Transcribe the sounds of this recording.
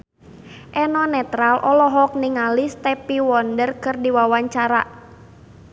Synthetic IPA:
ʔɛnɔnɛt̪ɾalʔɔlɔɦɔk̚niŋalist̪ɛpiwɔndərkɨrdiwawaɲt͡ʃaɾa

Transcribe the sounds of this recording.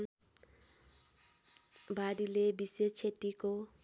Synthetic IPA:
baɾilebiset͡sʰet̪iko

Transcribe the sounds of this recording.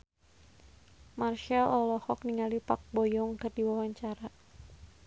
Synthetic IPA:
marʃalɔlɔhɔkniŋalipak̚bɔjɔŋkɨrdiwawaɲt͡ʃaɾa

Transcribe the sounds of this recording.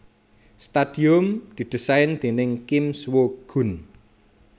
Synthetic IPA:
st̪ad̪̥iʊmd̪̥i̤d̪̥ə̤saɪnd̪̥e̤nɪŋkimswoɡ̥ṳn

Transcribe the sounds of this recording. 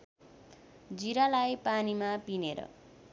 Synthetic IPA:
d͡ziɾalajpanimapineɾʌ̰

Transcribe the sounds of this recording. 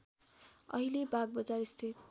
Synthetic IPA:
ʌ̰ɦilebaɡ̚bʌd͡zarist̪ʰit̪̚

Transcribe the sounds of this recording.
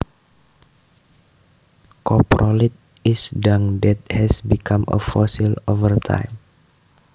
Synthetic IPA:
kɔpɾʔɔlit̪̚ | isdaŋdɛt̪̚hɛsbikʰamə̰fɔsilovərt̪ʰã̰jm

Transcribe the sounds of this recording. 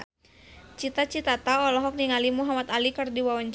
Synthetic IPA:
t͡ʃit̪at͡ʃit̪at̪aɔlɔɦɔk̚niŋalimuɦamat̪alikɨrdiwawɔɲd͡ʒ

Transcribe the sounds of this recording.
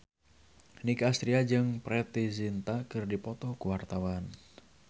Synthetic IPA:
nikaːst̪ɾiad͡ʒɨŋpɾɛt̪izint̪akɨrdipɔt̪ɔkuwart̪awan

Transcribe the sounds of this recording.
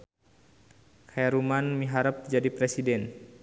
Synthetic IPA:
kʰajaɾumanmiɦaɾəp̚d͡ʒadipɾɛsidɛn

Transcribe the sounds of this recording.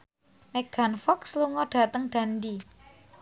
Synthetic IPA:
mɛɡ̥anfɔksluŋɔɖ̥a̤t̪əŋɖ̥a̤ndi

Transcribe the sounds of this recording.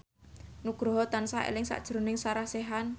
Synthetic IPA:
nuɡ̥ɾɔɦɔt̪ansaʔḛlɪŋsa̰ʔd̥ʒ̥ɾonɪŋsaɾaseɦan

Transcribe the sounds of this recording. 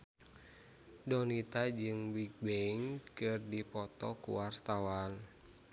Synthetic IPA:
dɔnit̪ad͡ʒɨŋbiɡ̚beiŋkɨrdipɔt̪ɔkṵwart̪awan

